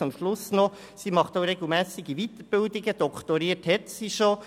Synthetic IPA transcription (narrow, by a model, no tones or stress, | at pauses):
ʊmʃlʊsnɔ | simɑχtoʊɾɛɡl̩ˠmæːsɪɡiʋit̪əɾb̥ɪldɪɡəd̥ɔkʰtɔɾiːəthɛt̪siʃo